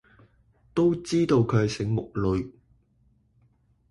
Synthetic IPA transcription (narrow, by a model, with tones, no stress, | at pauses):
t̪o˥wt͡siː˥t̪o˨˧wkʰɵ˨˧˨sɪ˨˥ŋmʊ˨k̚lɵ˨˧ɥ